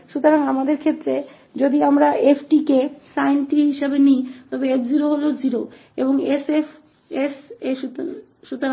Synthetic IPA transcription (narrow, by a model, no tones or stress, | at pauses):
ʃut̪oɾaŋamad̪eɾkʰet̪ːɾe | d͡ʑod̪iamɾaʔepʰʈikesajnʈiɦiʃabenijt̪ɔbeepd͡ʑiɾoɦolod͡ʑiɾo | eboŋesef | eseʃu | ʃut̪oɾa